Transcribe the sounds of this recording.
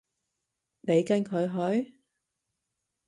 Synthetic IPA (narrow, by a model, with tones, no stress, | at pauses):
ne˨˧jkɐ˥˧ŋkʰɵ˨˧ɥɦɵ˨˥ɥ